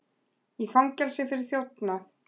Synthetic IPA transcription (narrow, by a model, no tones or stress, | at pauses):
ifawŋcɛlsɪfɪɾɪɾ̥θjowt̪naθ